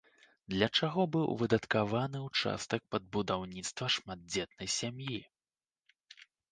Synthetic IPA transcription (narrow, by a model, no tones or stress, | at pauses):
d̪lʲɐt͡ʂaɣɔbɨwvɨd̪ɐt̪kavanɨwt͡ʂa̰st̪ɐk̚pɐd̪̚bud̪awnʲit̪st̪vɐʂmad̪̚d͡zʲɛt̪nɐjsʲamji